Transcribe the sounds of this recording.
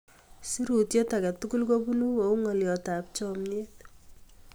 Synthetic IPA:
si˦ɾu˨tje˦ta˨ka˨tu˦ku˦lko˦bu˦nu˦o˨u˦ŋɔ˨ljɔ˨ta˨p̚t͡ʃɔ˦mɲe˦t̚

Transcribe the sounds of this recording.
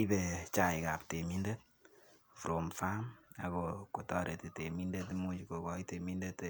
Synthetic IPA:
i˦be˨t͡ʃa˨jika˨pte˨mi˦nde˦t̚ | fu˨ɾo˨mfa˦ma̰˨ko˨ko˨tɔ˦ɾe˨ti˨te˨mi˦nde˦t̬mu˦t͡ʃi˨ko˨kɔ˦ite˨mi˦nde˦t

